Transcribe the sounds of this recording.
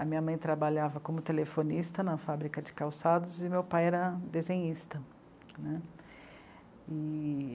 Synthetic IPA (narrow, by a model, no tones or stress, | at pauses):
ɐmĩɲɐmɐ̃j̃t̪ɾabaʎavɐkõmʊt̪elefonist̪ɐnɐfabɾikɐd͡ʒɪkawsad̪ʊzɪmewpajɛɾɐd̪ezẽɲist̪ɐ | nɛ | ɪ